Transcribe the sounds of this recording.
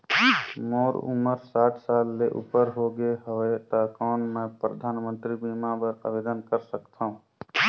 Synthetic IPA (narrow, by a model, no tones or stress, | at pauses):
moːɾṵməɾsaːʈʰsaːlːeʔṵpəɾɦoɡeɦəet̪akɔːnmɛ̃pɾəd̪ʱaːnmə̃nt̪ɾibiːmãbəɾə̰beːd̪ənkəɾsəkt̪ʰaũ